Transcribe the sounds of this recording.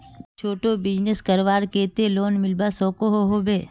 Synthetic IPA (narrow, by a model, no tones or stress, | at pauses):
t͡ʃʰoːʈobɪd͡ʒneskəɾʋaːɾkeːt̪eloːnmɪlbasɔːkoɦoɦoːbeː